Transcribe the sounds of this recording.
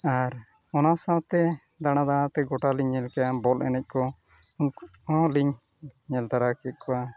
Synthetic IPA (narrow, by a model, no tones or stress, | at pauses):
aɾ | ɔnasãwt̪ɛd̪aɽ̃ad̪aɽ̃ãt̪ɛɡɔʈaliɲːɛlkaabɔlʔɛ̰nɛc̚ˀkɔ | uɲkɔ̃liɲː | ɛlt̪aɾakɛt̪̚kʰɔwa